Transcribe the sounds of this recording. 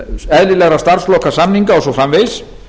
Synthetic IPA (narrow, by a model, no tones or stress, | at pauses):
ɛðlɪlɛɣɾast̪ar̥slɔːkasamniŋkaɔsɔfɾamves